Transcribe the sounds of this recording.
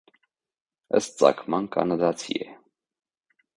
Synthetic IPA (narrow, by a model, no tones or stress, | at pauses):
əst̪̚t͡sɑ̰kʰmɑnkʰɑ̰nɑd̪ɑt͡sʰḭɛ